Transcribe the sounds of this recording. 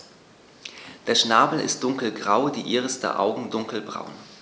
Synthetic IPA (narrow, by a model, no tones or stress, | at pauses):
d̥eːɐʃnaːbl̩ɪ̰st̚d̥ʊŋkl̩ɡʁaʊdiːʔiːʁəsd̥ə̰ʔa̰ʊɡŋ̩dʊŋkl̩bʁa̰ʊn